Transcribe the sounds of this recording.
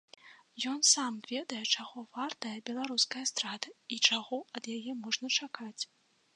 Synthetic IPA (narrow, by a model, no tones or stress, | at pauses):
jɔnsamvʲɛd̪ɐjɛt͡ʂaɣɔvart̪ɐjɐbʲɛlˠaɾuskɐjɐst̪ɾad̪ɐit͡ʂaɣɔɐd̪jajɛmɔʐnɐt͡ʂakat͡sʲ